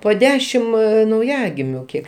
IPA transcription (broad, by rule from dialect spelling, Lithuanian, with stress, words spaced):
poː ˈdʲæːʃʲɪm nɐʊˈjæːɡʲɪmʲʊ ˈkʲiɛk